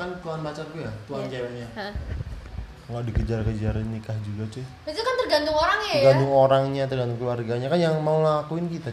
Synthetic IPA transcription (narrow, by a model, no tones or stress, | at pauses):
kant̪uanbat͡ʃarkujat̪uant͡ʃaɲa | ŋɡadikəd͡ʒarkəd͡ʒaɾɪnikahd͡ʒuɡat͡ʃʊbiit̪ukant̪ərɡant̪ʊŋoɾaŋɡant̪ʊŋoɾaŋɲat̪ərɡant̪ʊŋkəluwarɡaɲakanjaŋmaulakuɪnkit̪a